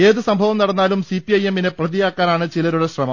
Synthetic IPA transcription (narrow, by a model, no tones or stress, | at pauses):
e̞ːðɨsɐmbʱɐʋɐmnɐɽɐnːaːlumsipːiɐje̞mːinɨprɐðijaːkːaːnaːɳɨt͡ɕilɐɾuɽeɕrɐmɐm